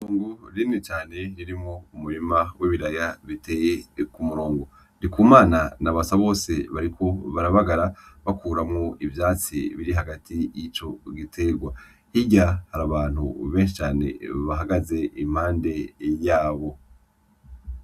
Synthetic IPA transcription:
muoːŋɡoɾinit͡ʃaːne̞ɾiɾimŋoumuɾimawʔiβiɾajaβitʰe̞jekumuɾoːŋɡo | ndikuːmaːnanaβasaβo̞ːse̞βaɾikʰo̞βaɾaβaɡaɾaβakuːɾamŋo̞ʔivjaːt͡sḭβiɾiɦaɡatʰijit͡ʃo̞ɡitʰe̞ɡwa | hiɟahaɾaβaːn̥hṵβe̞ːnʃit͡ʃaːne̞̰βaɦaɡaze̞im̥haːnde̞jaːβo̞

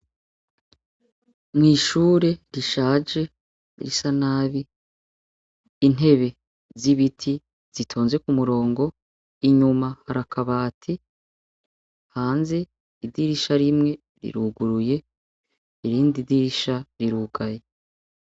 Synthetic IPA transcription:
mŋiːʃuːɾe̞ɾiʃaːd͡ʒe̞ | ɾisanaːβi | n̥e̞βe̞ | ziβitʰi | z̥itʰoːnzwe̞kumuɾo̞ːŋɡo̞ | iɲumahaɾakʰaβaːtʰi | haːnze̞ | idiɾiʃaɾimŋe̞ | ɾḭɾuɡuɾuje̞ | iɾiːndidiɾiʃaɾiɾuɡaje

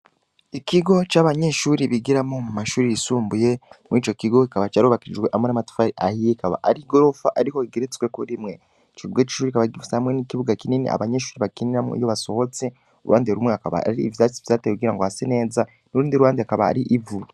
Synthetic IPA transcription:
ikiɡo̞t͡ʃaːβaɲe̞ʃuːɾiβiɡiɾamomumaʃuːɾijisuːmbuje̞miːt͡ʃo̞kiɡo̞kikaβat͡ʃaɾuːβakid͡ʒɡwe̞ʔamonamatu̥faɾiʔahijekaβa̰ʔaɾiɡo̞ɾo̞fa̰ʔaɾiho̞iɡeɾet͡swekuɾimŋe̞ | iciβuɡait͡ʃi̥ʃuːɾikaβaɡivusehamŋenikiβuɡakininḭʔa̰βaɲe̞ʃuːɾiβakiniɾamo̰ḭjoβaso̞ho̞t͡se | uɾwʔaːndeɾumŋwe̞akaβa̰ːɾiːvjat͡sivzaːtekuɡiɾaŋɡohasene̞ːza | nuɾuːndiɾuwaːndeakaβa̰ːɾiʔivu

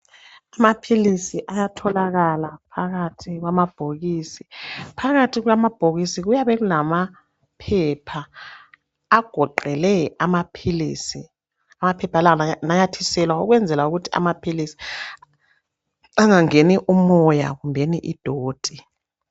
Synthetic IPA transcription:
amapʰilisiʔajatʰɔlaɣalapʰaɣatʰiɣwamab̥ʱoɣiːsipʰaɣatʰiɣwamab̥ʱoɣisiɣujaβɛɣulama | pʰɛpʰaː | ɡ̥ʱɔǃɛlɛamapʰiliːsi | amapʰɛpʰalanajatʰisɛlwaṵɣwɛnd͡zʱɛlauɣutʰi̥a̰mapʰilisi̥ | aŋaŋeniʔumɔja̰ɣumbʱeniʔid̥ʱoːd̥ʱi

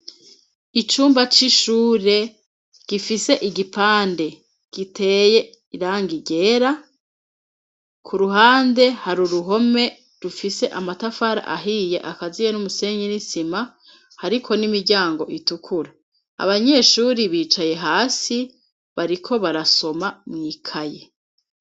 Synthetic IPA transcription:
it͡ʃuːmbat͡ʃiʃuːɾe̞ | ɡ̥ifise̞ʔiɡipaːnde̞ | ɡ̥itʰe̞ːje̞ | iɾaːŋɡiɟe̞ɾa | kʰuɾuɦaːnde̞haɾuɾuɦo̞me̞ | ɾufise̞ʔamatafaɾa̰ʔa̰ɦije̞ʔakazijenumuse̞ːɲinisima | haɾikʰo̞nimiɾɟaːŋɡo̞ʔitukʰuɾa | a̰βaɲe̞ʃuːɾiβiːt͡ʃaje̞ɦaːsi | βaɾikʰo̞βaɾaso̞mamŋiːkʰaje

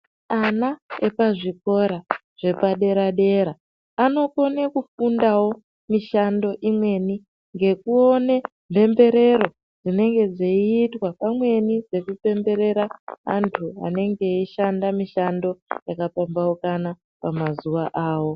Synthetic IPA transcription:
anaepaʐiko̞ɾa | ʐ̥e̞paɗe̞ɾaɗe̞ɾaː | no̞ko̞nekufundawo̞ | miʃando̞ʔimwe̞ni | ŋɡe̞kuone̞ | mpe̞mbe̞ɾe̞ɾo̞ | d͡zine̞ŋɡe̞d͡zeiːtwapamwe̞nid͡ze̞kupe̞mbe̞ɾe̞ɾaa̰ntʰua̰ne̞ŋɡe̞iʃandamiʃando̞jakapambaokana | pamazuʋaʔaːwo̞

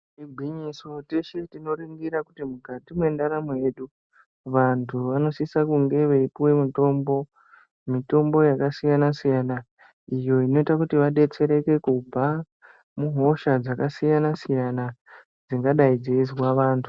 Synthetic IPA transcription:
tiɡʱiɲiso̞teʃetino̞ɾiŋɡiɾakutimukatimwe̞ndaɾamojeɗu | ʋantʰuʋano̞sisakuŋɡe̞ʋeipuwe̞muto̞mbo̞ | mito̞mbo̞jakasijanasijana | ijo̞ino̞itakutiʋaɗe̞t͡se̞ɾe̞ke̞kub͡va | muɦo̞ʃad͡zakasijanasijana | d͡ziŋɡaɗaid͡zeizwaʋaːntʰu̥

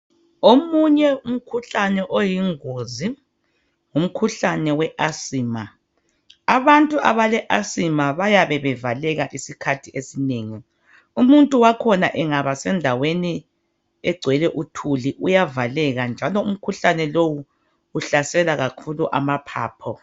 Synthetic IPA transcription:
omuɲɛum̩kʰuɬanɛʔojiŋozi | ŋum̩kʰuɬanɛwɛʔasiːma | aβantʼua̰βalɛʔasimaβajaβɛβɛvalɛɣaʔisikʰatʰiesineːŋi | umuntʼuwakʰɔnaʔɛŋaβasɛndʱaweni | ɛɡ͡ǀʱwɛlɛʔutʰuliʔujavalɛɣand͡ʒʱalɔum̩kʰuɬanɛlowuː | ɬasɛlaɣakʰuluʔa̰mapʰa̰ːpʰɔ

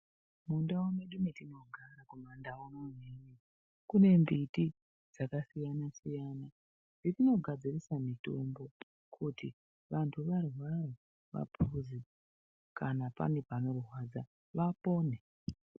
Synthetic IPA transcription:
mundawomeɗumetino̞ɡʱaɾakumandawomoneni | kune̞mbiti | d͡zakasijanasijaːna | nditino̞ɡʱad͡zirisamito̰mbo̞ | kʰuti | ʋantʰuʋarwara | ʋa̰pʰuzi | kanapa̰nepano̞ruɦwad͡za | ʋapo̞ːne

